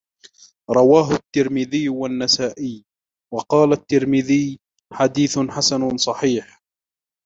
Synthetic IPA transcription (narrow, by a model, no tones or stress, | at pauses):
ɾˤɑwaːɦʊt̪ːɪɾmɪðɪjːwanːasaːʔɪj | wɑqɑːlat̪ːɪɾmɪðɪj | ħad̪iːθʊnħasanʊsˤɑħiːħ